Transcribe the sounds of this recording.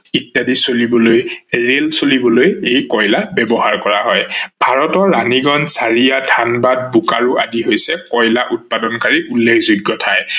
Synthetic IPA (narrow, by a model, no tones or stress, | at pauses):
itjadisolibɔlojɹelsolibɔlojejkɔjlabɛbɔɦaɹkɔɹaɦɔjbʱaɹɔtɔɹːaniɡɔnsaɹijadʰʱanbad̚buka̰ɹuʔa̰diɦojsɛkɔjlaʔut̚padɔnkaɹiʔulːekʰzuɡjɔtʰaj